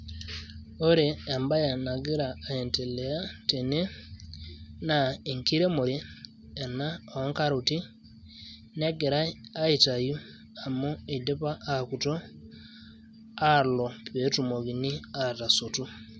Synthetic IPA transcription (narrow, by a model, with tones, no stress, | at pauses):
o˦ɾeː˨mba˦ja˨na˨ɡi˦ɾa˨e˨nte˨leja˦te˨ne˦ | nai˨ŋki˦ɾe˦mu˨ɾi˦ | e˨na˦o˦ŋka˦ɾu˨ti˦ | ne˦ɡe˨ɾaː˦i˨ta˨ju˦ | a˨mu˦e˨de˦pa˦a˨ku˨to˦ | alo˨βe˨tu˨mo˨ɣi˨ni˦ata˨sotu˦